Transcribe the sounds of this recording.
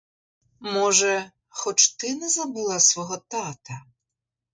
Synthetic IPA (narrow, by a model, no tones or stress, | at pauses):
mɔʒɛ | xɔt͡ʃt̪ɪnɛzɐbulˠasʋɔɦɔt̪at̪ɐ